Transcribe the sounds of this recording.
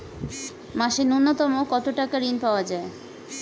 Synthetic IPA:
maʃenunːot̪ɔmokɔt̪oʈakaɾinpaoad͡ʑae

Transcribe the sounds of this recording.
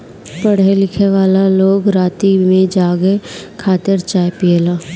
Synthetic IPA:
pəɽelɪkʰeʋaːlaloːɡɾaːt̪imẽd͡ʒaːɡekʰaːt̪ɪɾt͡ʃaːepielaː

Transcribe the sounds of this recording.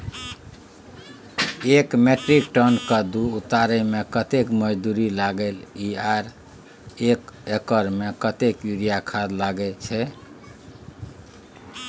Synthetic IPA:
ekmeʈɾikʈənkəd̪uut̪aɾɛmekət̪ekməd͡ʒd̪uɾilaɡeliaɾ | ekekəɾmekət̪ekjuɾijakʰad̪laɡɛt͡ʃʰɛ

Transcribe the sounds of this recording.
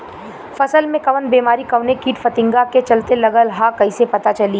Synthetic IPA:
fɐsəlmẽkɐʋən̚beːmaːɾikɐʋnekiːʈfɐt̪ɪ̃ŋɡaket͡ʃɐlt̪elɐɡəlɦakɐisepɐt̪at͡ʃɐli

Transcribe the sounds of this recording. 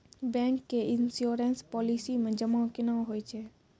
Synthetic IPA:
bɛ̃ːŋkːeɪnsjoːɾenspɔːlisimẽd͡ʒəmãkenãːɦoit͡ʃʰeː

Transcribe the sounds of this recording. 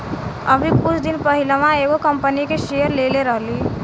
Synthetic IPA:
ə̰bʱikʊt͡ʃʰd̪inpəɦilmãeɡokəmpənikeʃejəɾleleɾəɦli

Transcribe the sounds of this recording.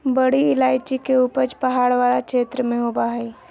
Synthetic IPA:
bəɽiɪlaːjt͡ʃikeupəɾt͡ʃpəɦaːɽʋalakʃʰeːt̪ɾəmẽɦobaɦəi

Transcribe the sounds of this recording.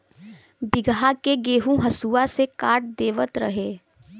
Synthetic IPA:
bɪɡɦakeɡeːɦũɦɐsuːasekaːʈ̚d̪eːʋət̪ɾɐ̰ɦeː

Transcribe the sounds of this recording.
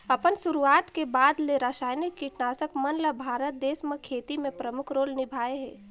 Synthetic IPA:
ɐpənʃʊɾuaːt̪kebaːd̪leɾaːʃaːjnikːiʈnaːsəkmɐnləbʱaːɾət̪̚d̪eːsməkʰeːt̪imẽpɾɐmʊkʰɾoːlnɪbʱaːeɦɛ̰ː

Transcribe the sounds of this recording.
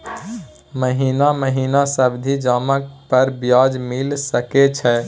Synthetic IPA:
məɦinaməɦinasəbd̪ʱid͡ʒamək̚pəɾbjad͡ʒmilsəket͡ʃʰɛ

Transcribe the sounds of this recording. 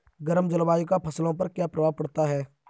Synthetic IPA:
ɡəɾəmd͡ʒəlbaːjkapʰɐslõpɐɾkjaːpɾəʋaːpɐɽt̪aɦɛː

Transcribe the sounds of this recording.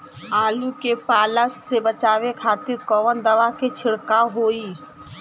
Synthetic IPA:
aːlukepaːləsːebət͡ʃaːʋekʰaːt̪iɾkɔʋənd̪əʋaket͡ʃʰɪɽkaɦoːi

